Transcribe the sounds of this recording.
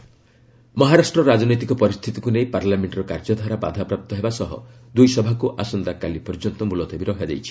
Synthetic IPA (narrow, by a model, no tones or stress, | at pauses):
mɔɦaɾasʈɾɔɾad͡ʒɔnojt̪ikɔpɔɾist̪ʰit̪ikunejpaɾlameɳʈɾɔkaɾd͡ʒɔd̪ʱaɾaba̰d̪ʱapɾap̚t̪ɔɦebasɔɦɔ̰d̪ujsɔbʱakuʔasɔnd̪akalipɔɾd͡ʒɔnt̪ɔmulɔt̪ɔbiɾɔɦad͡ʒa̰jt͡ʃʰi̥